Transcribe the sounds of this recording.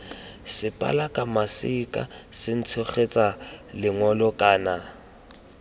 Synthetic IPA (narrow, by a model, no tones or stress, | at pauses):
sɪpʼa̰lakʼamasɪkʼa̰sɪn̩t͡sʰɔχet͡sʼalɪŋɔlɔkʼaːna